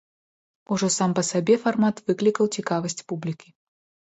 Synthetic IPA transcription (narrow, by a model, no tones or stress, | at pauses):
uʐɔsampɐsabʲɛfarmat̪vɨklʲikɐwt͡sʲikavɐsʲt͡sʲpublʲikʲi